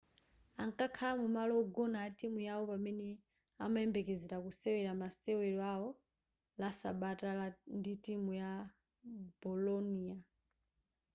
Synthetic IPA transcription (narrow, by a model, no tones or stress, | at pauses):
aŋkakʰalamumalɔːɡɔnaatimujawɔpamɛnɛ | a̰maɛmbɛkɛzɛɾakusɛwɛɾamasɛwɛɾɔaɔ | lasa̰ɓatanditimuja | bɔlɔnia